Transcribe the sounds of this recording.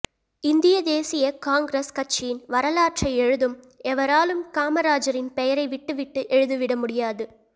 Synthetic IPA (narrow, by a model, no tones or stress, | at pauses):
ɪnd̪ɪjɐd̪eːsɪjɐkaːŋɡɾeskɐt͡ʃːɪjɪnʋɐɾɐlaːʈrɐɪɛɻɯðɯm | ɛʋɐɾaːlɯmkaːmɐɾaːd͡ʒɐɾɪnpɛjɐɾɐɪʋɪʈːɯʋɪʈːɯʔɛɻɯðɯʋɪɽɐmʊɽɪjaːðɯ